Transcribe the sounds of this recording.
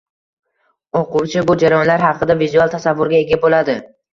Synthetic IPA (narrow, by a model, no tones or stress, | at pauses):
oqʰʊwt͡ʃʰɪbʊd͡ʒaɾajɒnlaɾɦɑqʰɨd̪avizualˠt̪ʰasavːʊɾɡʲae̞ɡʲabolad̪ɪ